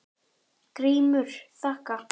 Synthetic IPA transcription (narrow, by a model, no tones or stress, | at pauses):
kɾiːmʏɾ̥θahka